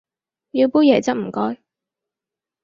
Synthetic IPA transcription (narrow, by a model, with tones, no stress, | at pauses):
jiː˧wpuː˥jɛː˨˩t͡sɐ˥t̚m̩˨˩kɔː˥j